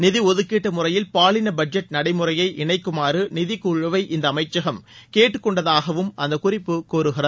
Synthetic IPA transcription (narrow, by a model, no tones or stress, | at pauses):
nɪðiɔðɯkːeːʈːɐmʊrɐjɪlpaːlɪnɐbɐd͡ʒɐʈ̚nɐɽɐɪmɯrɐjɐɪʔɪɳɐɪkːɯmaːrɯnɪðɪkːuɻɐʋɐɪʔɪnd̪ɐːmɐɪt͡ʃːɐɣɐmkeːʈːɯkːɔɳɖɐðaːɣɐʋɯmɐnd̪ɐkʊrɪpːɯkoːɾɯɣɪrɐð